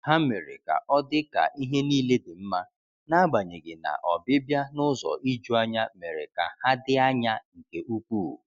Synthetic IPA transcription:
ha˦me˨ɾḛ˨ka̰˨ʔɔ˦dɪ˦ka̰˨ʔi˦ɦe˦niː˦le˦dɪ˨m̩˦ma˦ | na˦ɡ͡ba˨ɲe˨ɡɪ˨na̰˨ʔɔ˨bɪ˦bja˦nʊ˦zɔ̰˨ʔi˦d͡ʒu˦a˦ɲa˦me˨ɾḛ˨ka̰˨ha˦dɪ˦a˦ɲa˦ŋ̩˨ke˨u˦kʷuː˦˨

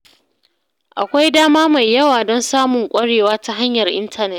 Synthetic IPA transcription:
ʔa̰˨kʷa˦jdaː˦maː˦ma˨jːɐ˦waː˨dɔ˦nsaː˦mʊ˨ŋkʷʼɐ˦ɽeː˨waː˦ta˦ɦa˦ɲjɐ˨rʔɪ̰˦ntʰɐ˦nɛ˦t

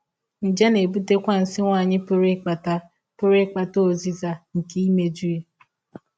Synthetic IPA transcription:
n̩˨d͡ʒa˦ne˨bu˦te˦kʷa˦n̩˨sɪ˦ŋʷa˦˨ɲɪ˦pʊ˦ɾe˦k͡pa˨ta˦ | pʊ˦ɾe˦k͡pa˨to˦o˨zi˦za˦ŋ̩˨ke˦i˦me˦d͡ʒu˦je˦

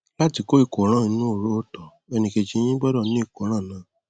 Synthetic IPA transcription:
la˦˨ti˨˧ko˦i˨ko˨˦ɾ̃ã˦˨˧nũ˦o˦˨ɾo˨˦o˦tɔ˨ | ɛ˧nĩ˧ke˧d͡ʒĩ˧˦˧j̃ĩ˦ɡ͡bɔ˦dɔ˦˨nĩ˦i˦˨ko˨˦ɾ̃ã˦˨nãː˦˨

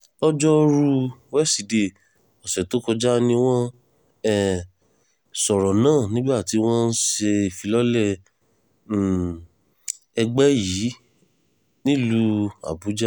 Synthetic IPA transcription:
ɔ˦d͡ʒɔ˦ɾu˧wɛ˦si˨de˨ | ɔ˨sɛ˨to˨˦kɔ˧d͡ʒa˦nĩ˧w̃ɔ̃˦ | ɛ˦˨ | sɔ˨ɾɔ˨nãː˦˨nĩ˦ɡ͡ba˦˨ti˧w̃ɔ̃˦n̩˦ʃe˧i˨fi˨˧lɔ˦lɛ˦˨ | ɛ˧ɡ͡bɛ˦jiː˨˦ | nĩ˦˨lu˧a̰˨bu˨˦d͡ʒa˦

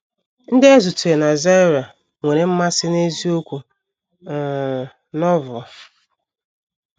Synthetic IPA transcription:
n̩˦dɪ˦e˦zu˨tu˨e˨na˨za˦ɾa˨ | ŋʷe˨ɾe˨m̩˦ma˦sɪ˦ne˦zi˦o˦kʷu˨ | nɔ˦vɔ˨

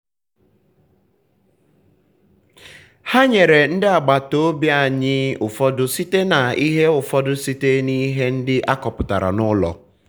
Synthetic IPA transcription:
ha˦ɲe˨ɾe˨n̩˦dɪ˦a˨ɡ͡ba˨to˦o˦bi˦a˨ɲɪ˦ʊ˨fɔ˦dʊ˦si˦te˦na˨i˦ɦe˦ʊ˨fɔ˦dʊ˦si˦te˦ni˦ɦe˦n̩˦dɪ˦ʔa˦kɔ˨pʊ˨ta̰˨ɾa̰˨nʊ˦lɔ̰˨

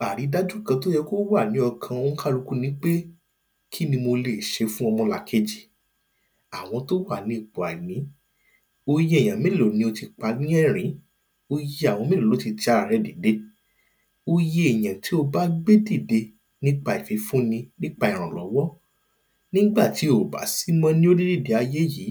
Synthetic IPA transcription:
a˨ɾi˨˦da˦d͡ʒũ˦˨kã˧to˦jɛ˧ko˦wa˦˨nĩ˨˦ɔ˧kʰã˧o˦ñ̩˦ka˦lu˦ku˦nĩ˦k͡pe˦ | kʰi˦nĩ˧mo˧le˨ʃe˧fũ˦ɔ˧mɔ̃˧la˨˧kʰe˧d͡ʒi˨ | a˨w̃ɔ̃˧to˦wa˦˨nĩ˨˦i˦˨k͡po˨a˨i˨nĩ˨˦ | o˧je˧˦˨j̃ã˨mẽ˦˨lo˨nĩ˧˦o˧ti˧k͡pa˧˦nĩ˦ɛ˦˨ɾ̃ĩ˨˦ | o˧je˧˦a˨w̃ɔ̃˧mẽ˦˨o˨lo˨˦ti˧t͡ʃa˦˨ɾɛ˧˦di˨˦de˧˦ | o˧je˧˦e˨jã˨ti˨˦o˧ba˦ɡ͡be˦di˦˨de˧ | nĩ˦k͡pa˧˨i˨fi˨˦fũ˦nĩ˧nĩ˦k͡pa˧i˨ɾ̃ã˨lɔ˨˦wɔ˦ | nĩ˦ɡ͡ba˦˨ti˨˦o˨ba̰˨˦si˦mɔ̃˦nĩ˦o˦di˦di˦˨de˨a˧je˦ji˨˦

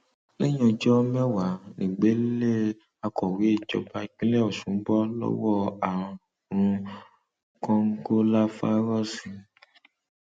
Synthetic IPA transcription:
le˦j̃ɔ̃˧d͡ʒɔ˦mɛ˦wa˨˦nĩ˨ɡ͡be˨˦le˦ | a˧kɔ˨wi˨˦e˦˨d͡ʒɔ̰˧˦ba˧˨k͡pĩ˦le˦ɔ˦˨sũ˨˦m̩˦bɔ˦lɔ̰˦wɔ˦a˨ɾ̃ | ɾ̃ũ˧ | kɔ̃˦ŋ̩˦ko˦la˦fa˦ɾɔ˦si˧

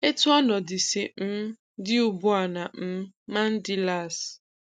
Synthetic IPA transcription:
e˦tʊ˦ɔ˦nɔ˨dɪ˨sɪ˨m̩˦ | dɪ˦ʊ˨bʊ˦a˨na˨m̩˦ma˦n̩˦dɪ˦la˦˨s

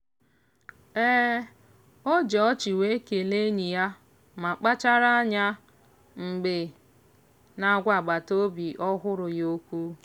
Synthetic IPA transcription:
ɛː˦ | o˦d͡ʒɔ˨ɔ˦t͡ʃi˨we˦ke˨le˦ɲi˨ja˦ | ma˨k͡pa˦t͡ʃa˦ɾa˦a˦ɲa˦ | ŋ͡m̩˨ɡ͡be˨ | na˨˦ɡʷa˨ɡ͡ba˨to˦bi˨ʔɔ˦ɦʊ˦ɾʊ˨jo˦kʷu˦

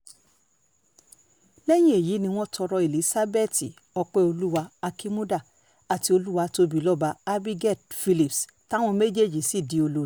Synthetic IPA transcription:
lɛ˦j̃ĩ˦e˨ji˨˦nĩ˧w̃ɔ̃˦tʰɔ˧ɾɔ˧e˨li˨˦sa˦be˦˨ti˨ | ɔ˧k͡pɛ˦o˧lu˦wa˧a˧ki˦mũ˦da˦˨ | a˨ti˧o˧lu˦wa˧to˧bi˨lɔ˦ba˧a˦bi˦ɡɛ˦˨t̚fi˧li˨ps | ta˦w̃ɔ̃˧me˦d͡ʒe˦˨d͡ʒi˨si˦˨di˨o˧lo˧˦

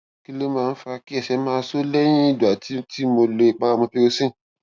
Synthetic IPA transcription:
ki˦le˦mãː˦n̩˦fa˧ki˦ɛ˨sɛ˨˦mãː˧˦so˦le˦j̃ĩ˦i˦˨du˨a˨tʰi˦ti˦mo˧le˧˨k͡pa˧mõ˧pe˦o˦sĩ˦˨

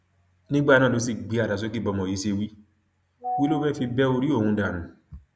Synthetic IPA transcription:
nĩ˦ɡ͡ba˦˨nã˦˨lo˨˦s̬i˦˨ɡ͡bi˨˦a˨da˨s̬o˦ki˦˨bɔ˧mɔ̃˨ji˨˦se˧wi˦ | wi˦lo˦bɛ˦fi˧bɛ˦o˧ɾi˦o˦˨hũ˧da˨nũ˨˦

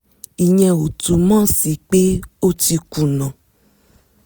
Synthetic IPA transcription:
i˨ɲɛ̃˨wo˨tu˨mã˦si˨k͡pe˦o˦ti˧ku˨nɔ̃˨

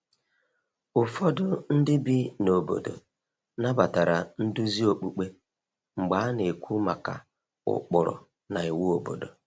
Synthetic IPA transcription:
ʊ˨fɔ˦dʊ˦n̩˦dɪ˦bi˦no˨bo̰˨do̰˨ | na˦ba˨ta˨ɾa˨n̩˦du˦zi˦o˨k͡pu˨k͡pe˦ | ŋ͡m̩˨ɡ͡ba˨˦ne˨kʷu˦ma˨ka̰˨ | ʊ̰˨k͡pʊ˨ɾʊ̰˨ | na˨i˨wu˦o˨bo̰˨do̰˨

